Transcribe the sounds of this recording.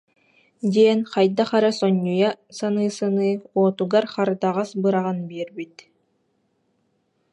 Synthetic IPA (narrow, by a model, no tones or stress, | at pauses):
d̪iɛnχajd̪aχaɾasɔɲːujasanɯːsanɯːoːt̪uɡaɾχaɾd̪aʁasbɯɾaʁanbiɛɾbit̪